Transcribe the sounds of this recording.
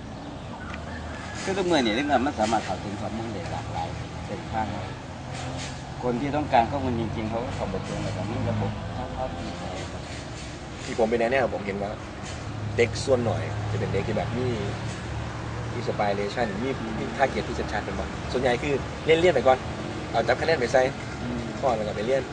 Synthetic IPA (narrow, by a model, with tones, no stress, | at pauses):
kʰɯː˧˥˩t̪u˧˥ŋmɯ˧˩˨niː˧˩˨ne˧˥˩aː˧˩ma˧˥˨nsaː˨˦maː˧˩t̚kʰa˨˩wt̪ʰɯ˨˦kʰɔː˧˦p̚mu˧˩˨nda˨˩ka̰ː˨˩k̚pa˧j | se˧˩˨kʰaː˥˩ŋwaː˧˩ | kʰo˧nt̪ʰiː˧t̪̬ɔ˥˩ŋkaː˧nkʰɔː˥˩p̚mʰu˧nt͡ɕi˧ŋt͡ɕi˧ŋkʰa˧˩wka˧˥˩kʰa˧˩mba˧˩t̪ʰo˧ŋaː˧˩ka˧˩miː˧˥˨la˧˥bo˧˦m˧t̪ʰa˧˥˩kʰɔː˧˩t̪ʰa˧˩ja˨˩ŋa˧j | t̪ʰiː˧˩pʰo˦mpa˨jnɛ˧nɛː˧˥˩wa˧˩po˩˨˦mɦe˨˦nwaː˧˩ | de˧˦˥k̚su˧˨ənːɔ̰˨˩jt͡ɕa˨˧˩pe˨nde˧˦k̪̚ʰiː˧˩bɛː˨˩p̚miː˧˥˨ | miː˧˥˩sa˧paː˧jleː˧t͡ɕʰa˧˥˩n˨˦miː˧˥˩i˧˩t̪ʰaː˧˩ki˨˩t̪ʰːiː˧˥˩se˧˦t͡ɕʰaː˧˥nka˧nbɔ˧˩su˨˩ənɲa˨jkʰɯː˧˩ | li˥˨nli˧˥˩npa˨jkɔː˨˩n˧ | ʔa˨˩wt͡ɕa˧˦p̚kʰnɛː˥˩npa˨˩jsa˧j | ʔ | kʰɔː˧˥˩laː˧˩ka˧˩pa˨jli˥˩ən